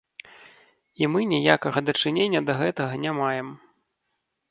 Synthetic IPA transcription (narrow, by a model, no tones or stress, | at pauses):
imɨnʲijakɐɣɐd̪ɐt͡ʂɨnʲenʲːɐd̪ɐɣɛt̪ɐɣɐnʲamajɛm